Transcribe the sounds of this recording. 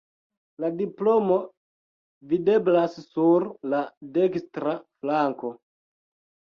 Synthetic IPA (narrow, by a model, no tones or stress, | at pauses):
ladiplo̞mo̞ | vide̞blassuɾlade̞kstɾaflaŋko̞